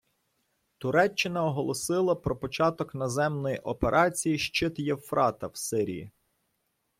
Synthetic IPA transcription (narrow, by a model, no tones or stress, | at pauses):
t̪ʊɾɛt͡ʃːɪnɐɔɦɔlˠɔsɪlˠɐpɾɔpɔt͡ʃɑt̪ɔknɔzɛmnɔjiʔɔpeɾʔɑt͡sʲijiʃt͡ʃɪt̪jewfɾʔɑt̪ɐwsɪɾʲḭjḭ